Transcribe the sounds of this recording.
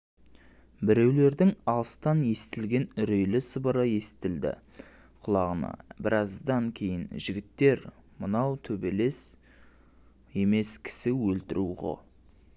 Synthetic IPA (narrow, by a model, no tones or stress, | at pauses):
bɪɾe̞wle̞ɾd̪ɪŋɑlˠəst̪ɑnje̞st̪ɪlɡʲe̞nʏɾejlɪsəbəɾɑje̞sɪ̥t̪ɪld̪ɪ̰ | qʰʊlˠɑʁənɑ̰bɪɾɑzd̪ɑŋkʲʰejɪnʒɪɡʲɪt̪ːe̞ɾmənɑwt̪ʰɵbe̞le̞s | je̞me̞skʲʰɪ̥sɪwɵlt̪ɪɾṵʁo̰